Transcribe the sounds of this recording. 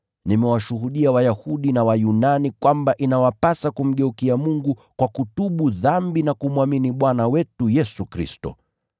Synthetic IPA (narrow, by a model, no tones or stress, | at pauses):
nimɛwaʃuɦuɗiawajahuɗinawajunanikwambaʔinawapasakum̩ɠɛukiamuŋɡukwakutuɓuðambinakumwaminiɓwanawɛtujɛsukɾḭstɔ̰